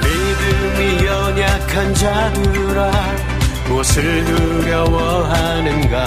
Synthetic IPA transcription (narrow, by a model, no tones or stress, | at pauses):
me | dɯmijʌɲjakʰand͡ʑadɯ | ɾa | ʌsʰɯɭnuɡjʌwʌ | ɦa | nɯnɡa